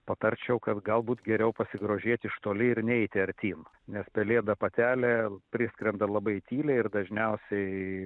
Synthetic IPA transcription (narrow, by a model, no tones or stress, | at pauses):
pɐt̪ɐɾʲt͡ʃʲɛʊkɐt̪ɡɐlˠbuːt̪ɡʲɛɾʲɛʊpɐsʲɪɡɾoːʒʲiɛt̪ʲɪʃt̪oːlʲɪɪɾnʲɛɛɪt̪ʲɪɐɾʲt̪ʲiːm | nʲɛspʲɛlʲeːd̪ɐpɐt̪ʲæːlʲɛpʲɾʲɪsʲkɾʲɛnd̪ɐlˠɐbɐɪt̪ʲiːlʲɛɪrd̪ɐʒʲnʲɛʊsʲɛɪ